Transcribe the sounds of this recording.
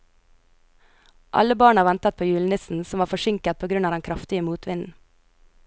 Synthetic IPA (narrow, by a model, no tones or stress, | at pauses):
ʔɑ̰ləbɑːɳɑʋɛnt̪ət̪̚pʰoːjʉːlnɪsn̩sɔmʋɑːfɔʃɪŋkət̪̚pʰoːɡɾʉnɑːd̪ɛnkʰɾɑft̪ɪəmuːt̪ʋɪnn̩